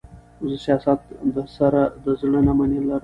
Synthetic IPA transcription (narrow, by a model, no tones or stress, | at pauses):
ʊzəsijɑsat̪d̪əsaɾad̪əzɳənamanelaɾ